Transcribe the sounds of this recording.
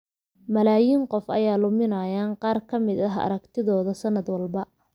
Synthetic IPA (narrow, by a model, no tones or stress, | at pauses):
mɐlaːjiːŋqɔfɐ̰jaːlʊmɪnɐjaːnqɑːrkʰɐmɪd̪ɐɦɐ̰ɾɐkt̪ʰɪðɔːðɐsɐnɐd̪wɑlbɐ